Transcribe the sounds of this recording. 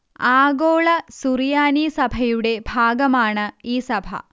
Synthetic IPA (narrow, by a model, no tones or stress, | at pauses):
aːɡoːɭɐsuɾijaːniːsɐbʱɐjuɽe̞bʱaːɡɐmaːɳɐiːsɐbʱɐ̰